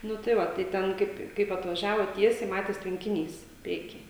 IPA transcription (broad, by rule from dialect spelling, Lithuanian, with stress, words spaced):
ˈnʊ tɐɪ ˈʋɐ tɐɪ ˈtʲɛn ˈkɐɪp kɐɪp ɐtʋɐˈʒʲæːʋoːt ˈtʲiɛsʲɛɪ ˈmɑːtʲeːs tʲʋʲɛŋʲkʲɪˈnʲiːs ˈpʲrʲiɛkʲiː